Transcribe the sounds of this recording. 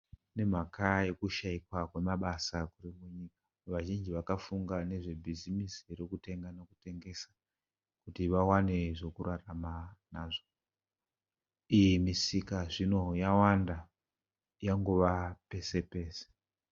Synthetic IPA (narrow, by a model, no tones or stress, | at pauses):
ne̞m̤akaje̞kuʃaikwakwe̞maɓasakurimuɲiːkḁ | ʋaʒind͡ʒiʋakafuŋɡane̞ʐe̞bʱizimisire̞kute̞ŋɡanokute̞ŋɡe̞sḁ | kutiʋawane̞ʐo̞kuɾaramanaːʐo | ijimisikaʐino̞jawanda | jaŋɡuʋape̞se̞pe̞ːse̥